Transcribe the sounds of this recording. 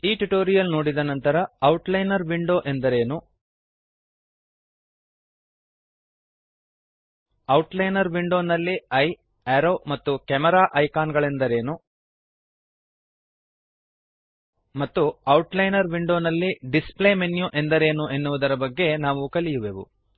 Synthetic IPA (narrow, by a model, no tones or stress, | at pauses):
iːʈuʈoːɾijɐlno̞ːɽid̪ɐnɐnt̪ɐɾɐɐwʈlɐjnɐɾʋiɳɖo̞ːʔe̞nd̪ɐɾe̞ːnu | ɐwʈlɐjnɐɾʋiɳɖo̞ːnɐlːiɐj | eɾo̞ːmɐt̪ːukɛmɛɾaːʔɐjkaːnɡɐɭe̞nd̪ɐɾe̞ːnu | mɐt̪ːuɐwʈlɐjnɐɾʋiɳɖo̞ːnɐlːiɖisplemenjuʔe̞nd̪ɐɾe̞ːnuʔe̞nːuʋud̪ɐɾɐbɐɡːe̞naːʋukɐlijuʋeʋṵ